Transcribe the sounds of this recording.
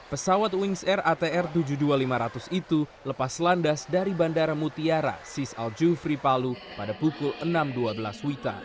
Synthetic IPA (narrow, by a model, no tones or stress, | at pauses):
pəsawat̪̚wiŋsɛrat̪eɛrt̪ud͡ʒudualimaɾat̪usit̪u | ləpaslandasdaɾibandaɾamut̪iaɾa̰sisa̰ld͡ʒufɾipalupadapukʊlənamduabəlaswit̪a̰